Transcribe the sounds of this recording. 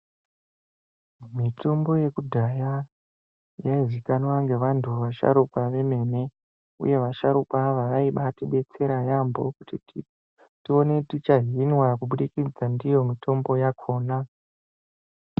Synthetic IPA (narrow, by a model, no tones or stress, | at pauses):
mitombo̞je̞kudʱaja | jaizikanoʋaŋɡe̞ʋantʰuʋaʃa̰ɾukwaʋe̞me̞ne̞ | ṵje̞ʋaʃaɾukwaʋaʋaiɓatiɓe̞t͡se̞ɾajambo̞̰kuti | tio̞ne̞tit͡ʃaɦinwakuɓuɗikid͡zandijo̞mito̞mbo̞jakʰo̞ːna